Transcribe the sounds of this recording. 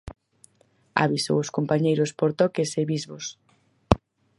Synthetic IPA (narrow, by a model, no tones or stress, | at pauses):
a̰βiso̰wʊskompaɲejɾʊspoɾt̪ɔkeseβizβos